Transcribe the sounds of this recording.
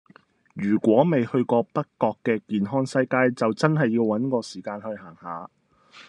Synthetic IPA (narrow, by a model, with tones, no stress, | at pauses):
jyː˨˩kʷɔː˨˥me˨jhɵ˧ɥkɔː˧pɐ˥kkːɔː˧kːɛː˧kiː˨nɦɔː˥ŋsɐ˧jkaː˧jt͡sɐ˨wt͡sɐ˥nɦɐ˨jːiː˧wwɐ˨˥nkɔː˧siː˨˩kaː˧nhɵ˧ɥhaː˨˩ŋhaː˨˧